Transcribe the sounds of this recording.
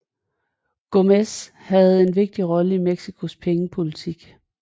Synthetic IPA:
ɡ̥omes | hæð̞̩ˠe̝nʋe̝ɡ̥̚d̥iʁɒ̽ləimeɡ̥sikʰo̝spʰeŋəpʰo̝lit͡sʰiɡ̥

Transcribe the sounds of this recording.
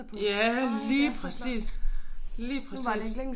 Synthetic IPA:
jæliːpʰʁɛsḭːs | liːpʰʁɛsḭː

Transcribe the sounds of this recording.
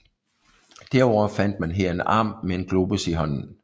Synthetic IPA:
d̥æɐ̰ɒʊ̰ɐfæn̰d̥mænɦeɐ̰e̝nɑ̰̈ːmːee̝nɡ̥loːb̥usiɦɒ̽n̰n̩

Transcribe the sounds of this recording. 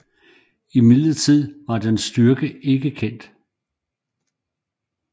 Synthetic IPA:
imiðlɐt͡sʰið̰ˠʋɑ̈d̥ensd̥yɐɡ̥əʔe̝ɡ̥əkʰen̰d̥

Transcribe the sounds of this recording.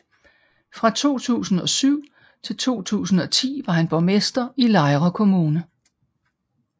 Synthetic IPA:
fʁɑ̈t͡sʰo̝̰ːt͡sʰṵːsn̩ɒ̽syʊ̰ | t͡sʰe̝lt͡sʰo̝̰ːt͡sʰṵːsn̩ɒ̽t͡sʰḭːʋɑ̈ɦænb̥ɒmesd̥ɐilɑ̈ɪʁɐkʰo̝muːnə

